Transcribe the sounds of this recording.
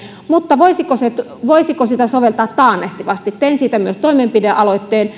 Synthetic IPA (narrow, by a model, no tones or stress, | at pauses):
mut̪ːɑʋoisikoset̪ʋoisikosit̪æsoʋelt̪ɑːt̪t̪ɑːnːeht̪iʋɑst̪it̪t̪einsiːt̪æmyøst̪oimempideʔɑloit̪ːeːn